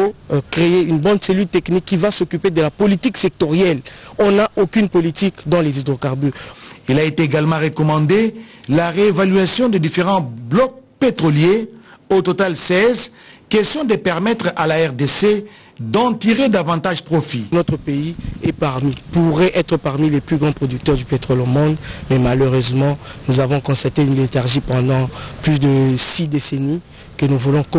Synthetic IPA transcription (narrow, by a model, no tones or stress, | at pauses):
okʁeeynbɔ̃nd̪selylt̪ɛknikːivasokyped̪əlapolit̪iksɛk̚t̪ɔʁjɛlɔ̃naʔokynpolit̪ikd̪ɑ̃lezid̪ʁokaʁbyʁilaet̪eeɡalmɑ̃ʁekɔmɑ̃d̪elaʁeːvalɥasjɔ̃d̪ed̪ifeʁɑ̃blɔk̚pet̪ʁɔljeot̪ot̪alsɛz | kɛst̪jɔ̃d̪əpɛʁmɛt̪χalaɛʁd̪ese | d̪ɑ̃t̪iʁed̪avɑ̃t̪aʒpχofinɔt̪χəpeiɛpaʁmipuʁɛʔɛt̪χəpaʁmilɛplyɡʁɑ̃pχɔd̪yk̚t̪œʁd̪ypet̪χɔlomɔ̃d̪mɛmaløʁøzmɑ̃nuzavɔ̃kɔ̃st̪at̪eynlet̪aʁʒipɑ̃d̪ɑ̃plyd̪əsid̪eseni | kənuvulɔ̃k